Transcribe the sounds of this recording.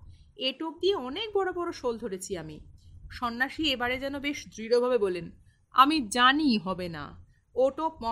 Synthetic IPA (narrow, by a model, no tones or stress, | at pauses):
eʈok̚d̪ieɔnek̚bɔɽobɔɾoʃold̪ʱoɾet͡ɕʰiamiʃɔnːaʃiebaɾed͡ʑɛnobeʃd̪ɾiɾobʱabebɔlen | a̰mid͡ʑaniɦɔbena̰ | oʈok̚mɔ